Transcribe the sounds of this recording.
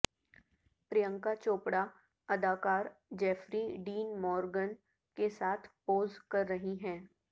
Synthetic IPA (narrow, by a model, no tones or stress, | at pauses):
pɾijə̃ŋkat͡ʃoːpɽa | ɐd̪aːkaːɾd͡ʒɛːfɾiɖiːnmɔːɾɡən | kesaːt̪ʰpoːzkɐɾːɐɦiɦɛ̃ː